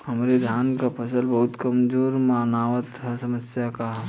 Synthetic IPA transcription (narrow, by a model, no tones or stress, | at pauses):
hɐmɾed̪ʱjaːnkapʰɐsəlbɐɦʊt̪kɐmd͡ʒoːɾmaːnaːʋət̪ɦɛsɐməsjakaɦ